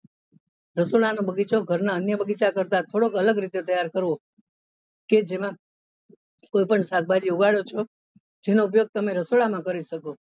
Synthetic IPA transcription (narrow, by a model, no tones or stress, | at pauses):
ɾəsoɭanobəɡit͡ʃoɡʱəɾnaənjəbəɡit͡ʃakəɾt̪at̪ʰoɽokələɡɾit̪et̪əjaɾkəɾʋo | ked͡ʒemã | koipəɳsak̚bʱad͡ʒiuɡaɭjot͡ʃʰo | d͡ʒenoup̬joɡ̚t̪əmeɾəsoɭamãkəɾiʃəko